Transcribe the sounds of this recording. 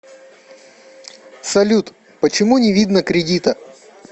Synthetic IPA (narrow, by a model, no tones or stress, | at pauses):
sɐlʲut̪ | pət͡ɕɪmunʲɪvʲid̪nəkɾʲɪdʲit̪ə